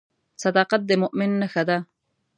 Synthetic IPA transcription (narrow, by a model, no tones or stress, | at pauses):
sɐd̪ɑqat̪̚d̪emʊʔmɪnːaxad̪a